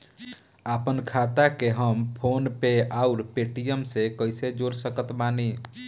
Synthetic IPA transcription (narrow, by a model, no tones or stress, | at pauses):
aːpənkʰaːt̪akeɦəmpʰoːnpeaːʊɾpeːʈijəmsekəɪsed͡ʒoːɾsəkət̪maːni